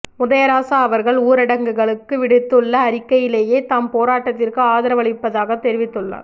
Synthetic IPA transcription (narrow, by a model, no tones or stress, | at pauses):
mʊðɐjɐɾaːsaːɐʋɐɾɣɐɭuːɾɪɽɐŋɡɯɣɐɭɯkːɯʋɪɽɯt̪ːɯɭːɐːɾɪkːɐjɪleːjeːt̪aːmpoːɾaːʈːɐt̪ːɪrkɯaːðɐɾɐʋɐɭɪpːɐðaːɣɐt̪ːɛɾɪʋɪt̪ːɯɭːa̰ːɾ